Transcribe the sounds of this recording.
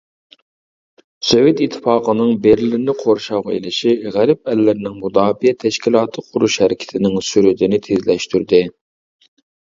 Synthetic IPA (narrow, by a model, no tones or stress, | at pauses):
sovjet̪it̪ʰːɨ̥fɑːqənɨŋbeɾlɪɾɪnɪqʰoɾʃɑʁɑḛlɪʃiʁæɾɪp̚ɛlːɪɾnɪŋmud̪ɑːbijɛt̪ʰɛʃkʲilˠɑːt̪ʰɨqʰʊɾuʃhɛɾɪkʲʰt̪ʰɪnɪŋsyɾɪd̪ɪnɪt̪ʰezlɛʃt̪yɾd̪ɪ